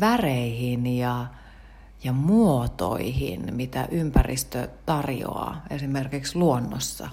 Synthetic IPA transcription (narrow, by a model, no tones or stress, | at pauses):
ʋæreihinjɑ | jɑmuot̪o̰ihḭnmit̪æ̰ʔympærḭst̪øt̪ɑrjo̰ɑ̰ːesimerkiksluonːo̰sːɑ̰